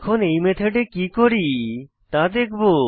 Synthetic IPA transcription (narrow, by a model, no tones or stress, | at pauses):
kʰonejmet̪ʰeɖekikoɾi | t̪ad̪ekʰbo